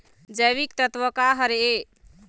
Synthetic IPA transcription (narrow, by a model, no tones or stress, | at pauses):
d͡ʒəjβikt̪ət̪wəkaɦəɾe